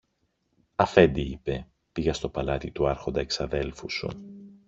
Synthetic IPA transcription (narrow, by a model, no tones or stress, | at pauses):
ɐfe̞nd̪iipe̞ | piɣɐst̪o̞pɐlɐt̪it̪uɐɾxo̞nd̪ɐeksɐðe̞lfusṵ